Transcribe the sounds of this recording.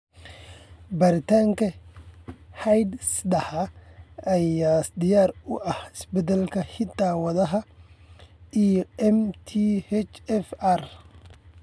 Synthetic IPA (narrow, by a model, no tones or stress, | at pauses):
bɐɾɪt̪ʰaːŋkʰɐ | hɐjd̪sd̪ɐhɐɐjaːsd̪ɪjaːrʊʔɐhɪsbɛd̪ɐlkʰɐhɪd̪aːwɐðɐɦɐ | ijɔɛmt̪ʰihɛt͡ʃɛfɐr